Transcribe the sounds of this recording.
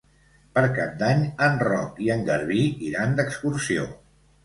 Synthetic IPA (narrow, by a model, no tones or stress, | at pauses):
pəɾkap̚d̪aɲənrɔ̰kiəŋɡəɾβiiɾand̪əkskuɾsio̰